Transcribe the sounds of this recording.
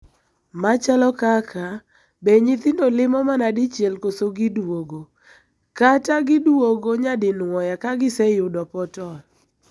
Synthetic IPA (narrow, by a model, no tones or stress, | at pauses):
mat͡ʃalɔkakʰa | beɲɪt̪ɪndolɪmɔmanadɪt͡ʃjelkosoɡɪdwoɡo | kataɡɪdwoɡoɲadɪnwɔjakaɡɪsɛjʊdɔpɔtɔl